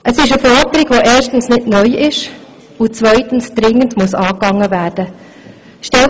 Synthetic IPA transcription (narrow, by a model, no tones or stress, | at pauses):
ʔəsɪʃəfɔdəɾɪɡ̥ʋoʔɛːʃtn̩snɪdnœʏʔɪʃ | ʊt͡sʋœʏtən̩sd̥ɾɪŋːəndmuəsɑːkɑŋːəvæːɾd̥ə | ʃtɛl